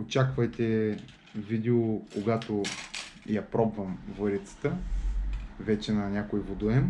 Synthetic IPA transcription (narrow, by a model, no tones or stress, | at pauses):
ot͡ʃakvɐjt̪ɛ | vid̪ɛokoɡat̪o | japɾɔbvəmvɤɾit̪sə̥t̪ə | vɛt͡ʃɛnɐnʲakojvod̪uɛm